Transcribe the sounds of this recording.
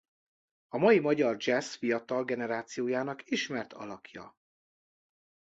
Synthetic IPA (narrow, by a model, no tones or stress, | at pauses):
ɒmɒjimɒɟɒrd͡ʒɛsfijɒt̪ɒlɡɛnɛɾaːt̪sijoːjaːnɒkiʃmɛrt̪ʰɒ̰lɒkʰjɒ̰